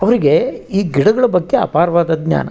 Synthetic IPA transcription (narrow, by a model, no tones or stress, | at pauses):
ɐʋɐɾiɡe̞iːɡiɽɐɡɐɭɐbɐɡːeɐ̰paːɾʋaːd̪ɐd̪ɲja̰ːnɐ̰